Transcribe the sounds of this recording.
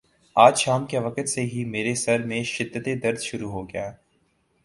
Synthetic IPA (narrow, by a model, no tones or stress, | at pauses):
aːd͡ʒʃaːmkeʋɐkət̪seɦimeːɾesɐɾmẽʃɪd̪ːət̪ed̪ɐɾd̪ʃʊɾuɦoɡɐjaː